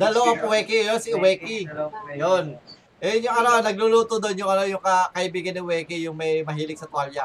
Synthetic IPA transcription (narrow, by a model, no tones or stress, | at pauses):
d̪ɐloʔoʊwɛːkijonsɪʊwɛːkijon | ʔɛjʊŋʔɐnonɐɡ̚lʊluːt̪od̪o̞njʊŋʔɐnojʊŋkɐkɐʔɪbiːɡɐnːɐwɛːkijʊŋmɐjmɐɦiːlɪɡ̚sɐt̪walja